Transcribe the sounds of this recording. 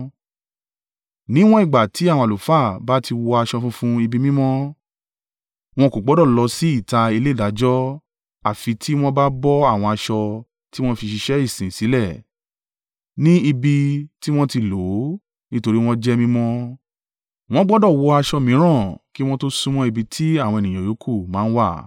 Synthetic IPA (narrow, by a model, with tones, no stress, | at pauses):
nĩ˨˦w̃ɔ̃˦i˦˨ɡ͡ba˨tʰi˨˦a˦˨wɔ̃˧a˨lu˨fa˦˨ba˦ti˧wɔ˧a˧ʃɔ˧fũ˦fũ˦i˧bi˧mĩ˦mɔ̃˦ | w̃ɔ̃˧ko˨ɡ͡bɔ˨˦dɔ˦˨lɔ˧si˦i˦˨ta˧i˧le˦˨da˨˦d͡ʒɔ˦ | a˦˨fi˧tʰi˦w̃ɔ̃˦ba˦bɔ˦a˦˨w̃ɔ̃˧a˧ʃɔ˧ | ti˦w̃ɔ̃˦fi˧ʃi˧ʃɛ˦i˦˨sĩ˨si˨˦lɛ˦˨ | nĩ˦i˧bi˧ti˦w̃ɔ̃˦ti˧lo˨˦ | nĩ˦to˧ɾi˦w̃ɔ̃˦d͡ʒɛ˦mĩ˦mɔ̃˦ | w̃ɔ̃˦ɡ͡bɔ˦dɔ˦˨wɔ˧a˧ʃɔ˧mĩ˨˦ɾ̃ã˦˨ki˦w̃ɔ̃˦to˦sũ˧m̃ɔ̃˧i˧bi˧tʰi˦a˦˨w̃ɔ̃˧e˨nĩ˨j̃ã˨jo˨˦kʰu˦˨mãː˨˦wa˦˨